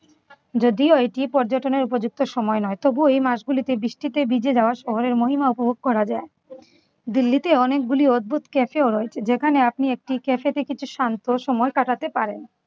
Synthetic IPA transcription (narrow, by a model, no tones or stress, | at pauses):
d͡ʑod̪ioeʈipɔɾd͡ʑoʈoneɾupod͡ʑuk̚t̪oʃɔmɔenɔet̪obuejmaʃɡulit̪ebɾiʃʈit̪ebid͡ʑed͡ʑaoaɾʃɔɦoɾeɾmoɦimaupobʱoɡ̚kɔɾad͡ʑae | d̪ilːit̪eɔnek̚ɡuliod̪̚bʱut̪kɛfeoɾoet͡ɕʰed͡ʑekʰaneapniek̚ʈikefet̪ekit͡ɕʰuʃant̪oʃɔmɔekaʈat̪epaɾen